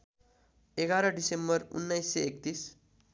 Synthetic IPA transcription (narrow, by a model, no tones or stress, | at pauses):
eɡaɾʌɖisembʌrṵnːajsːeek̚t̪is